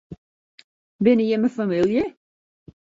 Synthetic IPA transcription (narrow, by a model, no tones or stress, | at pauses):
bɪnəjəməfamilˠjə